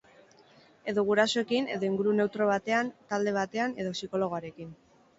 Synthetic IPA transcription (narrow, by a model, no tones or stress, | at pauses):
e̞ðoɣuɾasoe̞kine̞̰ðo̞iŋɡuɾune̞wt̪ɾo̞β̞at̪e̞ant̪ald̪e̞β̞at̪e̞ane̞ðo̞siko̞lo̞ɣ̞oaɾe̞kin